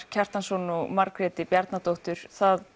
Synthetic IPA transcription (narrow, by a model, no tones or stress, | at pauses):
cʰar̥t̪ansɔnumaɾkɾɛːt̪ɪpjɛɾt̪nat̪owht̪ʏɾ̥θað